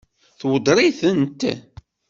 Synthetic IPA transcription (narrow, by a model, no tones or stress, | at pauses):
θwəd̪ˤɾˤiθənt̪